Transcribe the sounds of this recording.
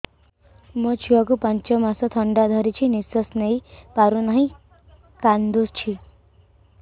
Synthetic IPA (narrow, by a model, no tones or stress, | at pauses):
mɔt͡ʃʰiakupant͡ʃɔmasɔt̪ʰʌɳɖad̪ʱʌɾit͡ʃʰinisɔsnejpaɾunʌɦĩ | kand̪ost͡ʃʰi